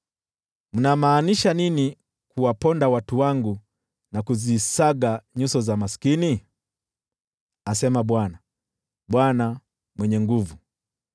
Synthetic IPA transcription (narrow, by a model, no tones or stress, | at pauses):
m̩namaːniʃanini | kuwapɔndawatuwaŋɡu | nakuzisaɡaɲusɔzamasi̥kini | asɛmaɓwana | ɓwana | mwɛɲɛŋɡuvu